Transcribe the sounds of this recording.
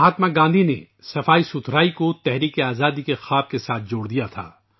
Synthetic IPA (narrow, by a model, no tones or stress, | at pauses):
ɦaːt̪maɡãːnd̪ʱinḛ | sɐfaːisʊt̪ʰɾaːikot̪ɛɦɾiːkeaːzaːd̪ikexaːb̚kesaːt̪̚ʰd͡ʒoːɽd̪ijat̪ʰa̰ː